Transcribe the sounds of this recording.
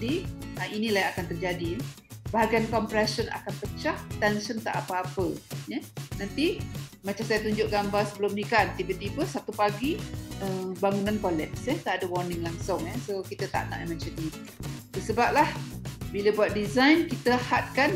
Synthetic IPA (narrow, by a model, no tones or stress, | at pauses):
diəʔinilajakant̪ərd͡ʒadi | baɦaɡankɔmpɾasəna̰kanpət͡ʃaht̪ɛnsənt̪a̰ʔapəapəjənant̪imat͡ʃamsajat̪uɲd͡ʒʊʔ̚ɡambasəbəlʊmnikant̪ibət̪ibəsat̪upaɡiəbaŋunankɔlɛt̪sjɛht̪aʔadəwɔrnɪŋlaŋsʊŋɛsokit̪ət̪a̰ʔna̰ʔimãt͡ʃənni | t̪əsəbap̚lahbiləbuat̪̚dizajnkit̪əhat̪̚kan